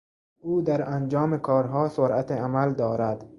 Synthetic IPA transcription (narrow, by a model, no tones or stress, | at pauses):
ʔuːd̪æɾænd͡ʒɒːmekʰɒːɾɦɒːsoɾʔæt̪ʰeamæld̪ɒːɾæd̪